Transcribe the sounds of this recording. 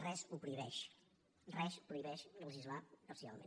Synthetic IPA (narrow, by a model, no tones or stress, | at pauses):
rɛzupɾuiβɛʃ | rɛspɾuiβɛʃnəlˠəʒizlaəsia̰lˠmḛn